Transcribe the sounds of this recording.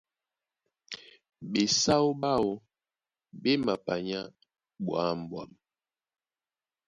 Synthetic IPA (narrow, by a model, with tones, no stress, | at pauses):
be˨sa˦o˦ba˦o˦ | be˦ma˨pa˨ɲa˦ | bwa˦m˨bwa˦˨m